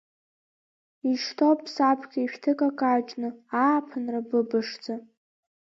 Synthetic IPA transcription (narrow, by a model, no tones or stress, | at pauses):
iʂtʰopʼʰsapʰɡʲaʃᶣtʰɨkʼakʼaːt͡ʃʼnɨaːpʰɨnrabɨbɨʂd͡zʼa